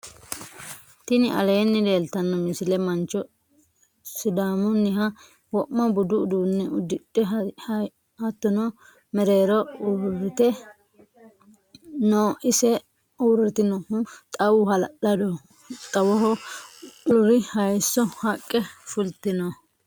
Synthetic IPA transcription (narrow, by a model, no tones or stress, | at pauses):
t̪ɪnɪʔɐ̰leːnːɪd̪e̞ːlt̪ɐnːɔmɪsɪlɛmɐnt͡ʃːɔ | sʊd̪aːmʊnːɪɦɐ | wɔʔmɐbʊd̪ʊːd̪uːnːɛʊd̪ːɪᶑɛ | hɐt̪ːɔnɔ | mɛɾeːɾɔuːɾɪt̪ɛ | noːʔɪsɛ | uːrːɪt̪ɪnɔht̪ʼɐwʊhɐlʔɐd̪ɔ | t̪ʼɐwɔɦɔ | ʊɾɪhɐjsːɔhɐkʼːɛfʊlt̪ɪnɔ